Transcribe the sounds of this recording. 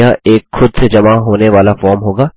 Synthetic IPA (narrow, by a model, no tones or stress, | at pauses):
aʔeːkxʊd̪sed͡ʒɐmaɦoːneʋaːlafɔːɾmɦoːɡaː